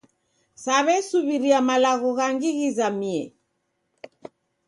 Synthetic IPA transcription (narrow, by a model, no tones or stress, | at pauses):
saβɛsuβiɾiamalaɣɔɣaŋɡiɣizamiɛ